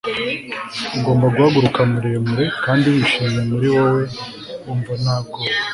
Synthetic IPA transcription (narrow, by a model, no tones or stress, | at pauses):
uɡo̞ːmbaɡwaːɡuɾukamuɾemuɾe̞kaːndiwiʃimemuɾiwowe̞ | uːɱvanaːb̚ɡo